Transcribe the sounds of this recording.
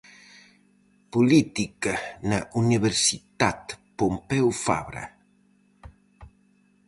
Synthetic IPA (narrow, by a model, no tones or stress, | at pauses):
pulit̪ikanaʔuniβeɾsit̪at̪pompɛwfa̰βɾa̰